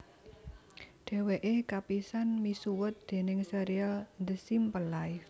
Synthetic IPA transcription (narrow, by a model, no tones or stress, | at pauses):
ɖ̥e̤weʔekapisanmisuwʊt̪̚d̪̥e̤nɪŋseɾialnd̪əsimpəlaj